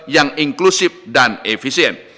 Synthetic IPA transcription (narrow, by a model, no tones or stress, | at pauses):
jaŋiŋklusif̚danefisiɛn